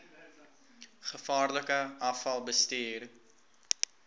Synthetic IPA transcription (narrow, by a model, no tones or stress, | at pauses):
χəfɑːrləkəʔɐfɐlˠbəstiːr